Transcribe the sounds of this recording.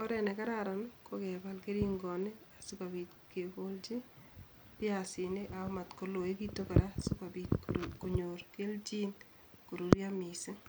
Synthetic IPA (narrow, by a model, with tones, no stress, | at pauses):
ɔ˦ɾɛ˨nɛ˨ka˦ɾaɾa˨nkokɛ˨ba˨lke˦ɾi˦ŋɡɔ˨ne˦a˨su˦ka˨bi˨t | ke˨ko˦ld͡ʒi˦ | pɪ˦asɪ˨ne˦ʔa˨o˦ma˨tko˨lo˨e˦ki˦to˦ka˨ɾa˦sʊ˦ka˨bi˨tko˨ɲoɾke˦ld͡ʒi˦n | ko˨ɾo˨ɾja˦mi˨se˦